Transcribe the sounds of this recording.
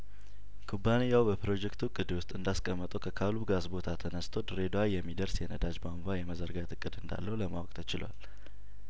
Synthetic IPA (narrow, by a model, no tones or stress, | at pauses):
kʰubanijawbəpɾo̞d͡ʒɛkt̪ʰukʼɨd̪iwʊst̪ʼɨnd̪askʼəmːət̪ʼəwkʰəkʰalubɡasbo̞t̪ʰat̪ʰənəst̪ʰod̪ɨɾed̪oajɛmːid̪əɾsjɛnəd̪ad͡ʒbamvajɛməzəɾɡat̪ʰɨkʼːɨd̪ɨnd̪a̰lːəhuləma̰wɔkʼt̪ʰət͡ʃɪla̰l